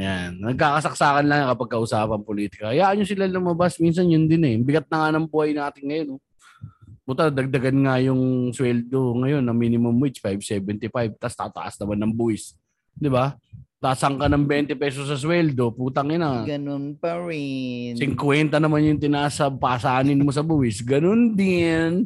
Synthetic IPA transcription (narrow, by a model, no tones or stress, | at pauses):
ɐjannɐɡ̚kaːkɐsɐk̚saːkɐnlɐŋnɐkɐpɐɡ̚kɐʔʊsaːpɐŋpoliːt̪ɪ̥kɐkɐjaːʔɐnɲːosɪlalɐmɐbasmins̬ɐnjʊnd̪ɪnɛbɪɡɐt̪̚nɐŋanɐŋbʊhajnaːt̪ɪnŋɐjono | bʊt̪anɐd̪ɐɡ̚d̪ɐɡanŋajʊŋswɛld̪o̞ŋɐjo̞nːɐminɪmʊmwɪt͡ʃfajbsɛbɛnt̪ɪfajb̚t̪ast̪at̪ɐ̰ʔɐ̰snɐmanːɐŋbuɪs | d̪ɪbat̪aːsɐŋkɐnɐŋbɛnt̪ɪpɛːsos̬ːɐs̬wɛld̪o̞puːt̪ɐŋɪnɐɡɐnonpɐɾɪnsɪŋkwɛnt̪ɐnɐmanjʊŋt̪ɪnaːsɐpaːsaːnɪnmos̬ɐbuːhɪsɡɐnond̪ɪn